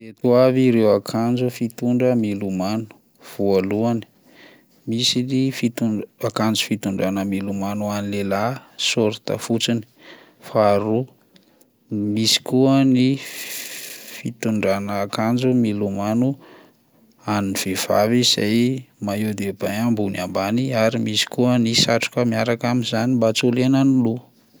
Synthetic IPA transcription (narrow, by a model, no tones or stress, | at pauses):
et̪uaviɾewakʰand͡ʒufit̪uɳɖ͡ʐəmilumanu̥ | v̥ualuani̥ | misinifit̪uakand͡zu̥fit̪uɳɖ͡ʐanəmilumanuanilelasoɾt̪a̰fut͡sini̥ | faɾu | misi̥kuəni | fit̪uɳɖ͡ʐanəːkand͡ʒumilumanu | aniniv̥ev̥a̰viz̥a̰jmaewd̪ebajambunambaniaɾimisi̥kuənisaʈ͡ʂu̥kəmiaɾakaminzanimbat͡sulenanilu